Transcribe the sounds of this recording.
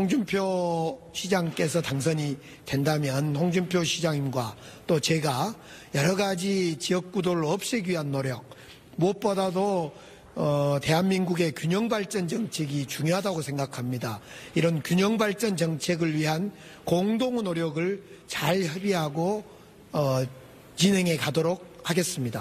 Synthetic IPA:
hoŋd͡ʑumpʰjo | ɕʰid͡ʑaŋk͈e̞s̬ʰʌtaŋs̬ʰʌɲi | twe̞ndamjʌnhoŋd͡ʑumpʰjoɕʰid͡ʑaŋimɡwat͈ot͡ɕe̞ɡa | jʌɾʌɡad͡ʑit͡ɕiʌk̚k͈udoɾɯɭoʌp̚ɕ͈iɡɥiɦanːoɾjʌk̚ | moʌt̚p͈ʌdado | ʌte̞ɦanminɡuɡe̞kʲjuɲʌŋbaɭt͡ɕ͈ʌnt͡ɕʌŋt͡ɕʰe̞ɡit͡ɕuŋjoɦadaɡosʰe̞ŋɡakʰamɲidaiɾʌnkjuɲʌŋbaɭt͡ɕ͈ʌnt͡ɕʌŋt͡ɕʰe̞ɡɯɭɥiɦan | koŋdoŋnoɾjʌɡɯɭ | t͡ɕaɭçʌɾiɦaɡo | ʌ | t͡ɕine̞ŋe̞kadoɾok̚haɡe̞s͈ɯmɲida

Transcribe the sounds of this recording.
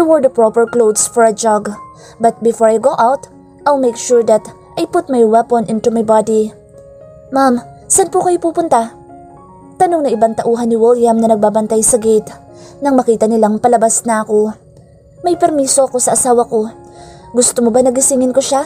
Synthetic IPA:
t̪ɪwɛɹd̪ɐpɹopɛɹklowd̪sfɔɹɐd͡ʒaɡ | bɐt̪̚bɪfɔɹajɡoʔawt̪ | ʔalmejkʃuɹd̪ɐt̪ | ʔɐjpʊt̪̚mɐjwɛponʔɪ̃nt̪umɐjbad̪i | mam | sɐn̚pʊkɐjopuːpʊnt̪a | t̪ɐno̞ŋnɐʔɪbaŋt̪ɐʔuːɦɐnɪwɪlˠjamnɐnɐɡ̚baːbɐnt̪ajsɐɡejt̪ | nɐŋmɐkiːt̪ɐnɪlaŋpɐlɐbasnɐɐko̞ | mɐjpɛɾmiːsoʔɐko̞sɐʔɐsaːwɐko̞ɡʊst̪omobanɐɡɪsɪŋɪnkoʃa

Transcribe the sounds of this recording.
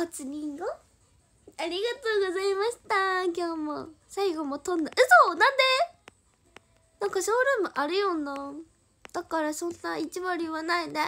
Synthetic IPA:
hat͡sɨɲ̟ĩŋɡo | aɾʲiɡat̪o̞ːɡo̞zaimaɕi̥t̪ak̬ʲo̞ːmosaiɡo̞mot̪õ̞nd̪aʔɯ̟soːnãnd̪e̞ | nãŋkaɕoːɾɯmoʔaɾɯjo̞nːa | d̪̥akaɾasõ̞nːait͡ɕiβaɾʲiβanaid̪e

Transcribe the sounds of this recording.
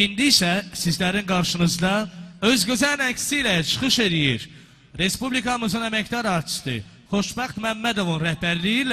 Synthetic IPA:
ind̪iːsæsizlæɾinɡɑɾʃɯnɯzd̪ɑø̞zɡøzænækst̪ilæt͡ʃʰɯ̥χɯʃe̞lijiɾ | ɾe̞spublikʰɑmɯzɯnæmæcd̪ɑɾɑɾt͡ʃ̪ʰi̥st̪ɯ̰ | χo̞ʃbɑχt̪mæmːæd̪o̞vunɾæhbæɾlijil

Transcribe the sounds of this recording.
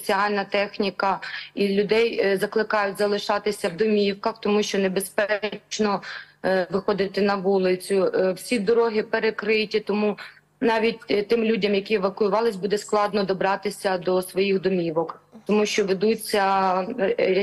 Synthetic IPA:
t͡sʲiɑlʲnɐt̪ɛxnʲikɐilʲʊd̪ɛjzɐklˠɪkɑjʊtʲzɐlˠɪʃɑt̪ɪsʲɐwd̪ɔmʲiwkɐxt̪ɔmuʃt͡ʃɔnebespɛt͡ʃnɔ | ʋɪxɔd̪ɪt̪ɪnɐʋulˠɪt͡sʲʊwsʲid̪ɔɾɔɦɪpeɾekɾɪtʲit̪ɔmu | nɑʋʲitʲt̪ɪmlʲudʲɐmjɐkʲiɛʋɐkʊjʊʋɑlˠɪsʲbud̪ɛsklˠɑd̪nɔd̪ɔbɾɑt̪ɪsʲɐd̪ɔsʋɔjixd̪ɔmʲiʋɔkt̪ɔmuʃt͡ʃɔʋed̪ut͡sʲːɐ | ɾʲ

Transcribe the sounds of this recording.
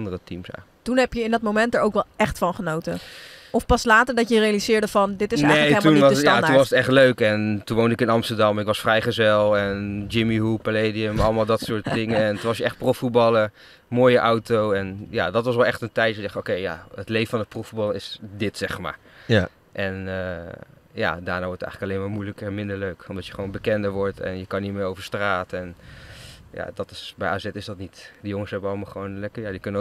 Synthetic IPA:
ɑndərətimsa̰ | tunɦɛpjəɪndɑt̚momɛntəɹowkʋɛlˠɛχtfɑnχənowtəɔfpɑslaːtəɹdɑtjərejalizɪːɹdəvɑndɪtɪsnejeətːuniɑjatunʋɑsətɛχtløɥkɛntunʋowndəɪkɪnɑmstəɹdɑmɪkʋɑsfrɛjχəzɛlˠɛnd͡ʒɪmiɦupəleːdiəmɑlˠəmaːlˠdɑtsʊːɹtdɪŋəɛntunʋɑsjəɛχt̚prɔfut̚bɑlə | moːjəʔawtowɛnja̰dɑtʋɑs̬ʋɛlˠɛχtəntɛjtdɛχowkejja̰ətlejfəfɑnət̚profutbɑləɪsdɪtsɛχma̰ːɹ | ʔɛnə | ja̰daːɹnaːʋɔɹtətɛ̰jχləkɑlejmaːɹmujləkəɹɛnmɪndəɹløɥkɔmdɑtjəχʋownbəkɛndəɹʋɔɹtɛ̰njəkɑnːimɪːɹowvəɹstraːtəɛn | ja̰dɑtɪ̥sbɛjʔaːzɛtɪsdɑtnitdəjʊŋəsɦɛbənɑləmaːlˠχəʋownlɛkəɹjadikɵnə

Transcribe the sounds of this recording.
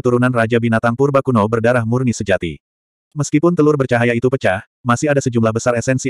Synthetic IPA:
ət̪uɾunanrad͡ʒabinat̪ampurbakunobərdaɾahmurnisəd͡ʒat̪ḭ | məskipʊnt̪əlʊrbərt͡ʃaɦajait̪upət͡ʃah | masɪɦadasəd͡ʒumlahbəsaɾɛsɛnsi

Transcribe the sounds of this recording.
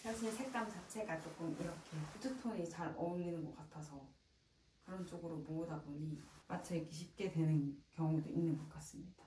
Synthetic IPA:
kʰaɕʰisʰe̞k̚t͈amt͡ɕat͡ɕʰe̞ɡat͡ɕ͈ok͈ʰɯmiɾʌkʰe̞putʰɯtʰoɲit͡ɕaɾʌminɯnɡʌk͈atʰasʰʌ | kɯɾʌnt͡ɕ͈oɡɯɾomoŋudaboɲimat͡ɕʰek͈ʰeɕ̬ʰip̚k͈e̞dwe̞nɯnkjʌŋudoinːɯnɡʌk͈as͈ɯmɲidḁ

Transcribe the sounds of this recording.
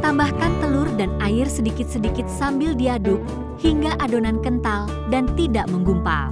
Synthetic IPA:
t̪ambahkant̪əlʊrdanaɪrsədikɪt̪̚sədikɪt̪̚sambɪldiadʊk̚ | hiŋɡaʔadonankənt̪al | dant̪idaʔməŋɡumpa̰

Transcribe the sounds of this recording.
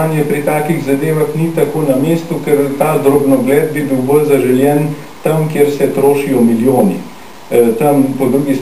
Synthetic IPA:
njɛpɾit̪aːkiɣzad̪eːʋaxnit̪akoːnameːst̪ukɛɾt̪aːd̪ɾobnɔɡlɛːd̪̚bibiwbəlzaʒɛljɛn | t̪amkjeɾsɛt̪ɾoːʃijɔmiljoːnḭ | t̪ampɔd̪ɾuɡis

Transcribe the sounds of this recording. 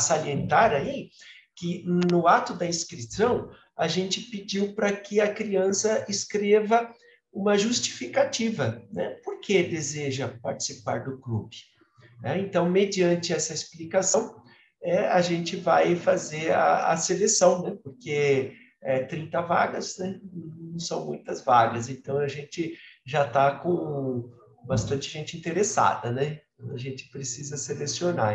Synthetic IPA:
saliẽnt̪aɾaikɪnʊat̪ʊd̪ɐĩskɾisɐ̃w̃ | aʒẽnt͡ʃɪpɪd͡ʒiwpɾɐkɪɐkɾiɐ̃sɐɪskɾevɐ | ũmɐʒust͡ʃi̥fikat͡ʃivɐnɛ̰poɾkʰed̪ezeʒɐpaɾt͡ʃi̥sipa̰ɾd̪ʊklṵkɪ̥ | nɛẽnt̪ɐ̃w̃med͡ʒiɐ̃nt͡ʃɪɛsɐesplikasɐ̃w̃ | ɛaʒẽnt͡ʃɪvajfazeɾaɐ̰selesɐ̃w̃nɛpoɾke | ɛt̪ɾĩnt̪ɐva̰ɡɐznɛñnɐ̃w̃sɐ̃w̃mũj̃t̪ɐzvaɡɐz̬ẽnt̪ɐ̃w̃ɐʒẽnt͡ʃɪʒat̪akõ | bast̪ɐ̃nt͡ʃɪʒẽnt͡ʃɪĩnt̪eɾesa̰d̪ɐnɛ̃t̪ɐ̃d̪ʊɐʒẽnt͡ʃɪ̥pɾesizɐselesiona

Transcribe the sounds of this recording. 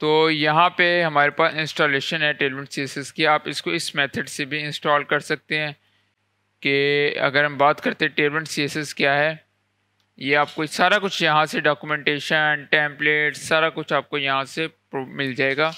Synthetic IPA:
t̪oːjɐɦãpeɦɐmaːɾepaːsɪ̃nsʈoːleːʃənɦɛʈeːlʋɪ̃ɳsiesɛskiɦɛaːpɪskoɪsmɛːt̪ʰəɖsebʱiɪ̃nsʈɔːlkɐɾsɐk̚t̪eɦɛ̃ː | keɐ̰ɡəɾɦɐmbaːt̪kɐɾt̪ẽɦɛ̃ʈeːlʋɪ̃ɳʈsiesɛskjaːɦɛː | jeaːp̚kosaːɾakʊt͡ʃʰjɐɦãseɖaːkumɛ̃ɳʈeːʃənʈɛ̃ːmpleːʈssaːɾakʊt͡ʃʰaːp̚kojɐɦãsepːmɪld͡ʒaːeːɡaː

